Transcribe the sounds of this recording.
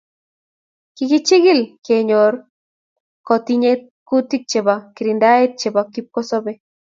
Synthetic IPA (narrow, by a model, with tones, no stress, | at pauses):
kiki˦t͡ʃi˦ɣi˦lke˨ɲo˨ɾ | kɔ˨t̪i˦ɲe˦t̪̚ku˦t̪i˦k̚t͡ʃe˨ba˨ki˨ɾi˨nd̪a˦e˦t̪̚t͡ʃe˨ba˨ki˦p̚kɔ˦so˦be˦